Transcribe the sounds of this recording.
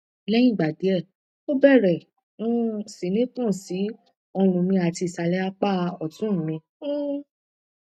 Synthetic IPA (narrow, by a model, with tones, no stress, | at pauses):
lɛ˦jĩ˦˨ɡ͡ba˨de˨˦ɛ˦˨ | o˦bɛ˦˨ɾɛ̃˨˦ | si˨˦nĩ˦tũ˦˨si˨˦ | ɔ˧lũ˨mĩ˧a˨ti˧˨sa˧lɛ˨˦a˧k͡pa˦˧ɔ˨tũ˨˦˨mĩ˧˦